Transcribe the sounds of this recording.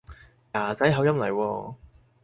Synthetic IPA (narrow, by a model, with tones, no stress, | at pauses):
jaː˨˩t͡sɐ˨˥jɦɐ˨˥wjɐ˥mlɐ˨˩jwɔː˧